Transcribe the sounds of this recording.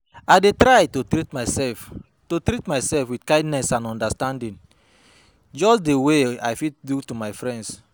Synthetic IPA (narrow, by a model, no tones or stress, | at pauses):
aɪdetɾajtotɾitmasɛf | totɾitmaɪsɛlfwidkãɪ̃ndnɛsãnɔ̃ndastãndĩn | d͡ʒɔsdewea̰jfitdutumaɪfɹɛ̃nds